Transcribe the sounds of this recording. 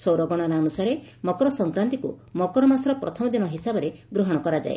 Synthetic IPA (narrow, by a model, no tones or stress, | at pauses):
sowɾɔɡɔɽ̃aɾaɔnusaɾemɔkɔɾɔsɔŋkɾant̪ikṵmɔkɔɾɔmasɾɔpɾɔ̰t̪ʰɔmɔd̪inɔɦisabɔɾeɡɾɔɦɔɽ̃ɔkɔɾad͡ʒa̰ḛ